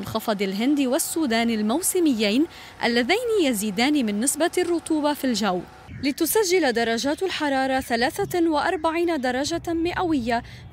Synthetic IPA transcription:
nxɑfɑd̪ˤalɦɪnd̪iwasːuːd̪aːnɪlmawsɪmɪjːajn | ʔa̰lːaðajnijaziːd̪aːnimɪnːɪsbarˤːʊt̪ˤuːbɑfilʒaw | lɪt̪ʊsaʒːɪlad̪ɑɾˤːɑʒaːt̪alħɑɾˤɑːɾˤɑθalaːθawɪʔɑɾˤbaʕiːnad̪ɑɾˤɑʒamɪʔawɪjːa

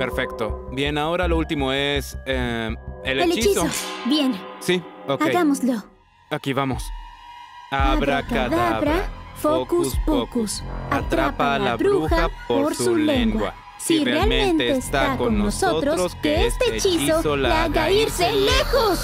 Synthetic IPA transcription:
peɾfekt̪obje̞nao̞ɾaloult̪imoeseeleelet͡ʃit͡ʃisoobjensiokaeɣamozlo | akiβamos | aβɾakaðaaβɾaafokuspokusat̪ɾapaalaβɾuuxaapoɾsuleŋɡwawa̰ | sireaalmmẽẽnt̪eeːst̪aakoonnosot̪ɾoɾoskeest̪et͡ʃisosolaaɣaiɾselexos

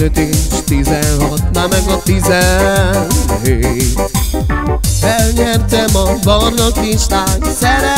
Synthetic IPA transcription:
øt̪it͡ʃt̪izɛnɦɒt̪mamɛɡɔt̪izɛnɦet̪ | ɛlɲɛrt̪ɛmɒvɔrnokmiʃt̪aːɲsɛɾɛ

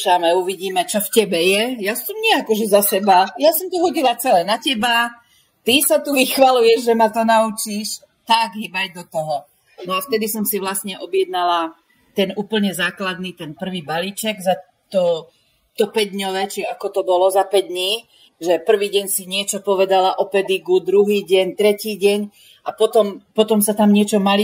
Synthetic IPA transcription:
ʃamɛuʋiɟiːmɛt͡ʃɔfcɛbɛjɛjasɔmɲɛakɔʒɛzasɛbajasɔmt̪ɔɦɔɟilat͡sɛlɛnacɛba | t̪isat̪uʋixʋalujɛʒʒɛmat̪ɔnaut͡ʃiʃ | t̪aɡɦibaɟd̪ɔt̪ɔɦɔ | nɔaft̪ɛd̪isɔmsiʋlasɲɛʔɔbɪjɛd̪nala | t̪ɛnuːpl̩ɲɛzaːklad̪nit̪ɛnpr̩ʋiːbaliːt͡ʃɛɡza | t̪ɔ | t̪ɔpɛɟd̪ɲɔʋɛt͡ʃiakɔt̪ɔbɔlɔzapɛɟ̚d̪ɲiː | ʒɛpr̩ʋiːɟɛɲsiɲɪɛt͡ʃɔpɔʋɛd̪alaʔɔpɛd̪iɡud̪ɾuɦiːɟɛɲt̪ɾɛciːɟɛɲ | ʔapɔt̪ɔmpɔt̪ɔmsat̪amɲɪɛt͡ʃɔmali

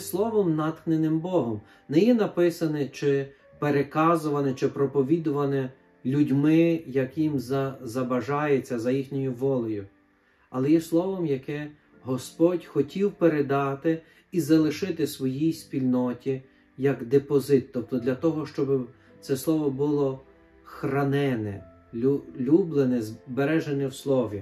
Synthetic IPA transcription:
slˠɔʋɔmnɑt̪knenɪmbɔɦɔm | nɛjɛnɐpɪsɐnɛt͡ʃɪ | peɾekɑzʊʋɐnɛt͡ʃɪpɾɔpɔʋʲid̪ʊʋɐnɛ | lʲudʲmɪjɐkjimzɐzɐbɐʒɑjet͡sʲːɐzɐjixnʲɔjʊʋɔlˠɔjʊ | ɐlˠɛjɛslˠɔʋɔmjɐkɛ | ɦɔspɔtʲxɔtʲiwpeɾed̪ɑt̪ɪ | izɐlˠɪʃɪt̪ɪsʋɔjijspʲilʲnɔtʲi | jɐɡd̪epɔzɪt̪ːɔp̚t̪ɔd̪lʲɐt̪ɔɦɔʃt͡ʃɔbɪ | t̪sɛslˠɔʋɔbʊlˠɔ | xrɐnɛnɛ̰ | ulʲublˠenɛzbeɾɛʒenɛwslˠɔʋʲi

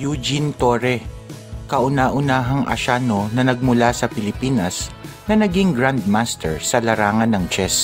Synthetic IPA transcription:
jud͡ʒint̪oːɾɛ | kɐʔʊnaːʔʊnaːɦɐŋʔɐ̰ʃanonɐnɐɡ̚mʊlasɐpɪlɪpiːnɐsnɐnɐɡiŋɡɹand̪̚mast̪ɛɹsɐlɐɾaːŋɐnːɐŋt͡ʃɛs

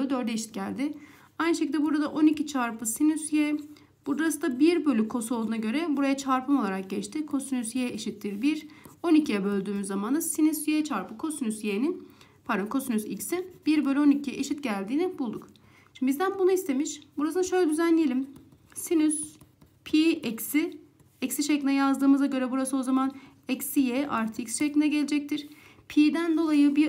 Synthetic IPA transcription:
d̪øɾd̪ɛːʃit̪ɟælʲd̪ɪ | ajnɯʃecild̪ɛbuɾad̪aʔo̞nicit͡ʃʰaɾpɯsinysjɛ | b̥uɾd̪ɾasɯd̪abiɾbølʲykʰo̞so̞lˠd̪unaɟø̞ɾɛbuɾajat͡ʃʰaɾpʰɯmo̞lˠaɾak̚ɟɛt͡ʃt̪ʰɪkʰo̞synyzjeeʃit̪ʰːiɾbiɾo̞nicʰijɛbø̞lʲd̪yːmyzːamanasinysjet͡ʃʰaɾpɯkʰo̞synysjenin | pʰaɾd̪onkʰo̞synyzicsib̥iɾbøːlʲeo̞nicʰijɛʔeʃit̪ɟælʲd̪iːnibulˠd̪uk | bizd̪ænbunuist̪ʰe̞miʃbuɾasɯnaʃø̞jlʲɛd̪yzænlʲejelʲim | sinys | pʰiʔɛcsi | ɛcsiʃeclʲinɛjazd̪ɯːmɯzaɟø̞ɾɛbuɾasɯo̞zaman | ɛcsijeʔaɾt̪ʰicsʃeclʲinɛɟelʲed͡ʒɛc̚t̪ʰiɾ̥ | pʰiːd̪ænd̪o̞lˠajɯbi

